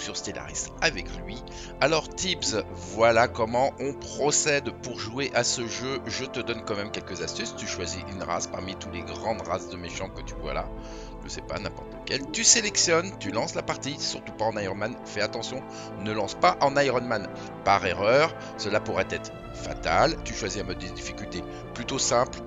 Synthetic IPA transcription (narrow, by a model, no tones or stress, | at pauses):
syʁst̪ela̰ʁḭsavɛklɥi | alɔʁt̪ipz | vwalakɔmɑ̃ʔɔ̃pχɔsɛd̪puʁʒueʔasəʒøʒət̪əd̪ɔnkɑ̃mɛmkʲɛlkəzast̪yst̪yʃwaziʔynʁa̰spa̰ʁmit̪ut̪leɡʁɑ̃d̪ʁasd̪əmeʃɑ̃kət̪yvwa̰la̰ | ʒəsɛpa̰nɛ̃pɔʁt̪ləkʲɛlt̪yselɛksjɔnt̪ylɑ̃slapaʁt̪isyʁt̪u̥paɑ̃najʁɔnmanfɛat̪ɑ̃sjɔ̃ | nəlɑ̃spaʔɑ̃najʁɔnman | paʁeʁœʁ | səlapuʁɛt̪ɛt̪χ | fat̪alt̪yʃwaziɛ̃mɔd̪ːəd̪ifikʲylt̪e | plyt̪osɛ̃pl